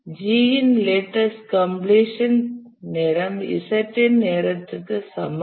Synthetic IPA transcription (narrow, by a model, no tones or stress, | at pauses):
d͡ʒiinleʈɐskɐmbleʃɐn | neɾɐmḭsɐʈenːeɾɐt̪ɐk̪ɐsɐm